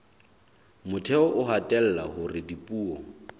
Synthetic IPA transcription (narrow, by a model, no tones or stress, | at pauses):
mʊtʰɛɔʔʊɦatʼɛl̩lahʊrɪdipʼuːɔ